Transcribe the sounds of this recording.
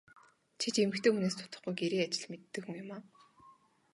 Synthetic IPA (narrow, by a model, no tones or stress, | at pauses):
t͡ɕʰit͡ɕemɘ̆kt̪ʰoːmuneːst̪ʰʊ̥t̪ə̥̆χɡujɡeɾiːat͡ɕɪ̆ɮmet̪ːɘ̆xɵ̆ŋjʊmaː